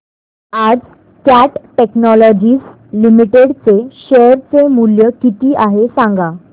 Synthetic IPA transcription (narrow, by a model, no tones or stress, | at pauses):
ad͡z | kæʈʈeknɔlɔd͡ʑiːs | limiʈeɽt͡seɕeɾt͡semuljəkit̪iːʔaɦesãŋɡa